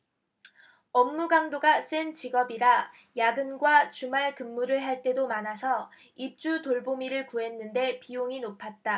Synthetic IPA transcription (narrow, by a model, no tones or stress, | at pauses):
ʌmːuɡaŋdoɡas͈ɯnt͡ɕiɡʌbiɾa | jaɡɯnɡwat͡ɕumaɭkɯmːuɾɯɭɦaɭt͈e̞domanasʰʌ | ip̚t͡ɕ͈utoɭbomiɾɯɭkuɦe̞nːɯnde̞pioŋinopʰat̚t͈a